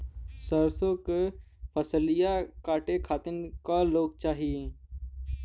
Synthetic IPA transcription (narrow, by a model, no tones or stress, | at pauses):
səɾsõkepʰəsəlɪjakaːʈekʰaːt̪ɪnkaloːɡ̚t͡ʃaːɦie